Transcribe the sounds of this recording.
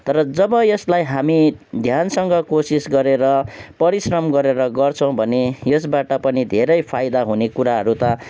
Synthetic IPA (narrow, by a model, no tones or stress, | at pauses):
t̪ʌɾʌd͡zʌbʌjʌslajɦamid̪ʱjansʌŋɡʌkosisɡʌɾeɾʌpʌɾisrʌmɡʌɾeɾʌɡʌrt͡sʰʌ̃w̃bʱʌnejʌsbaʈʌpʌnid̪ʱeɾʌjpʰajd̪aɦunekuɾaɦʌɾut̪ʌ